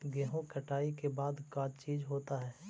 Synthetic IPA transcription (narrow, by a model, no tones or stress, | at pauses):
ɡɛːɦõkəʈaːikebaːd̪kat͡ʃiːd͡ʒɦoːt̪aɦɛː